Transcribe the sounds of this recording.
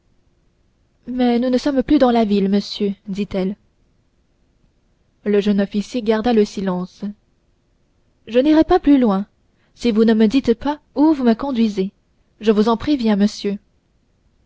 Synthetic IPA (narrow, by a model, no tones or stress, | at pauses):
mɛnunəsɔmplyd̪ɑ̃lavilməsjød̪it̪ɛl | ləʒənɔfisjeɡaʁd̪aləsilɑ̃s | ʒəniʁɛpaplylwɛ̃ | sivunəməd̪it̪pa | uvuməkɔ̃d̪ɥize | ʒəvuzɑ̃pχevjɛ̃məsjø